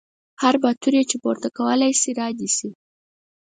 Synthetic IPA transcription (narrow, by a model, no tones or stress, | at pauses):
haɾbat̪uɾjet͡ʃepoɾt̪akawəlajsiɾɑd̪isi